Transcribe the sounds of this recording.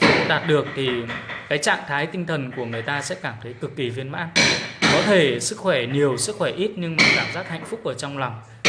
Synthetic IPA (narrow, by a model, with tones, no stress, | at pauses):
ɗaː˨˩t̚ɗɨ˨˩ək̚t̪ʰi˨˩kaː˨˦jt͡ɕa̰ː˧˨ŋt̪ʰaː˨˦jt̪ï˧ŋt̪ʰə˨˩nku˧˩əŋɨ˨˩əjt̪aː˧sɛ̰˧˥kaː˧˩mt̪ʰə˨˦jkɨ˨˩k̚ki˨˩vi˧ənma̰ː˧˥nkɔ˨˦t̪ʰe˧˩sɨ˦˥k̚xwɛ˧˩ɲi˨˩əwsɨ˦˥k̚xwɛ˧˩ʔi˦˥t̚ɲɨ˧ŋmaː˨˩kaː˧˩mzaː˦˥t̚ha̰˧˨jŋ̟fʊ˦˥k͡p̚ʔəː˧˩t͡ɕɔ˧wŋ͡mlɔ˨˩wŋ͡m